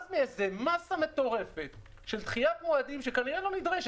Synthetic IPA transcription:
zmeezemasame̞t̪o̞ʁe̞fet̪ | ʃelt̪χijatmoadimʃekaniʁelo̞nid̪ʁeʃ

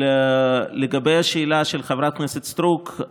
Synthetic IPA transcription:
leɡabejaʃeilaʃelχevɾat̪̚kneset̪st̪ɾuk

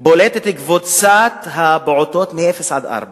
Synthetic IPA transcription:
bolet̪et̪ɡvot͡sat̪habʕot̪oːt̪meʔefesʕad̪ʔa̰ɾba

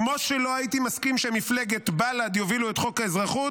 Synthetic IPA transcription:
mo̞ʃelo̞ait̪imaskimʃemifleɡet̪balad̪joviluet̪χo̞kaezʁaχu

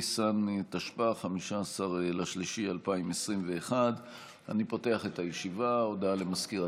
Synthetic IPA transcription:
santaʃpaχamiʃaːsaʁlaʃliʃialpaimesʁimve̞ːχad | a̰nipote̞aχe̞tajeʃivaodalemaskiʁa

